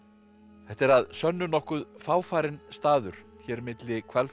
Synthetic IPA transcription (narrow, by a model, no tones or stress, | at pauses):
θɛht̪ɛɾaðsœnːʏnɔhkʏðfaːwfaːɾɪnst̪aːðʏɾ̥çɛːɾmɪt̪lɪkʰvɛl